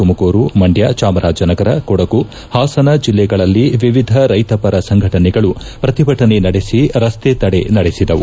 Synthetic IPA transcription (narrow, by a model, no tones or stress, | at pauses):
umɐkoːɾumɐɳɖjat͡ʃaːmɐɾʔaːd͡ʒɐnɐɡɐɾɐkɔɽɐku | haːsɐnɐd͡ʒilːɛɡɐɭɐlːiʋiʋid̪ʱɐɾɐjt̪ɐpɐɾɐsɐŋɡʱɐʈɐnɛɡɐɭu | pɾɐt̪ibʱɐʈɐnenɐɽesiɾɐst̪et̪ɐɽḛnɐɽesid̪ɐʋṵ